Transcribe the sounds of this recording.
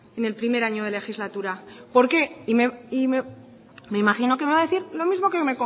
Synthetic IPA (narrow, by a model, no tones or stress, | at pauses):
ene̞lpɾime̞ɾaɲo̞ðe̞le̞xizlat̪uɾapo̞ɾke̞imeime | me̞imaχino̞ke̞me̞βaðe̞θiɾlo̞mizmo̞keome̞ko